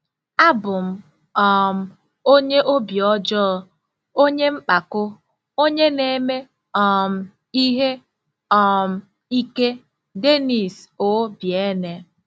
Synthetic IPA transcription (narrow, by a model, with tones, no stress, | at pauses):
a˦bʊ˨m̩˦ | ɔ˨m̩˦ | o˦ɲe˦ʔo˦bjɔ˦d͡ʒɔ˦˨ | o˦ɲe˦ŋ͡m̩˦k͡pa˨kʊ˦ | o˦ɲe˦ne˨˦me˦ | ɔ˨m̩˦ | i˦ɦe˦ | ɔ˨m̩˦ | i˦ke˦ | de˦ni˨so˨˦bje˦ne˨